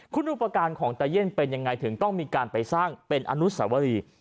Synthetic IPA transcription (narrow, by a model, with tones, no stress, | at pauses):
kʰu˦˥nduː˦˥˩pɾa˧kaː˧nkʰɔː˩˦ŋt̪aː˧je˥˩npe˧nja˧ŋːa˧jt̪ʰɯ˩˦ŋt̪ɔ˥˩ŋmiː˧kaː˧npa˧jsaː˥˩ŋpe˧nʔa̰ː˧nu˦˥sa̰ː˩˦wa˧ɾiː˧